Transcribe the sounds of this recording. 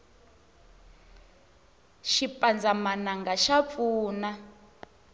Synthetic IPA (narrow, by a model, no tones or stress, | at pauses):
ʃipʼand͡zamanaŋɡaʃap̪fuːna